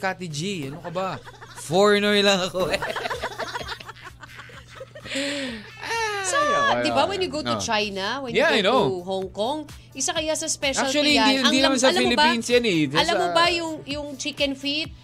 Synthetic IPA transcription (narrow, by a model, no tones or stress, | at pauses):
kat̪id͡ʒiɐnokɐbɐfoɹnɛɹlɐŋɐko | ʔasod̪ɪbawɛ̃njuɡowt̪ʊt͡ʃajnɐwɛnjaajnoʊɦoŋkoŋ | ʔɪsakɐjasɐspɛʃʔakɐl̚kt͡ʃuɐllihnad̪iɪnmd̪inɐmansɐɐlfɐɪmlɪbɐpinsjɐnɛɐlɐmobɐjʊŋjʊŋt͡ʃikɛnfit̪̚